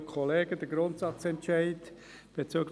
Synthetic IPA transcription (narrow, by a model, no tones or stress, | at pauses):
kʰɔleːɡəd̥əɡɾʊntsɑt͡sɛntʃæɪd | b̥et͡syːɡl